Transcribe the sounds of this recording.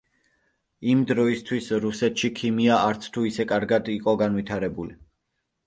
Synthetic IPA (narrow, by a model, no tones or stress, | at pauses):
imd̪ɾɔist̪ʰwisɾusɛt̪ʰʃikʰimiaaɾt̪sʰt̪ʰuisɛkʼaɾɡad̪iqʼɔɡanvit̪ʰaɾɛbuli